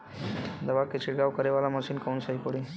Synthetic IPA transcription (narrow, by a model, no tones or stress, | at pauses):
d̪əʋaket͡ɕiʈɡaʋkəɾeʋalaməɕiːnkəunsəɦikoɽi